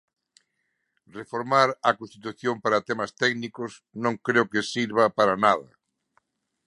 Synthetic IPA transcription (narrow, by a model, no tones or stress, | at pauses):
refoɾmaɾɐkõnst̪it̪uθjompaɾat̪ɛmast̪ɛɡnikʊsnõŋkɾeʊkesiɾβ̞apaɾanaðɐ̰